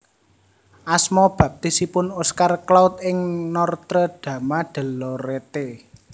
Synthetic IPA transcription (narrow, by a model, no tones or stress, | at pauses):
ʔasmɔb̥ä̤p̚t̪isipʊnuskarklaʊt̪ɪŋnɔrt̪ɾəɖ̪̥ä̤maɖ̪̥ə̤lɔɾet̪e